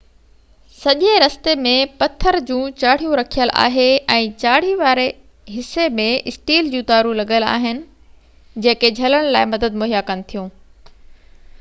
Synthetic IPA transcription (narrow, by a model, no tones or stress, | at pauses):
sɐʄeɾɐst̪emẽpɐt̪ʰːəɾd͡ʑũːt͡ɕaːɽ̤ijũɾɐkʰijəlʔa̰ːɦeʔɛ̃ːt͡ɕaːɽ̤iʋaːɾe | ɦɪsemẽɪsʈiːld͡ʑũːt̪aːɾulɐɠəla̰ːɦɪnɪ̆ | d͡ʑẽːked͡ʑʱɐləɽ̃laːɪmɐd̪əd̪̚mʊɦjakɐnɪ̆t̪ʰijũː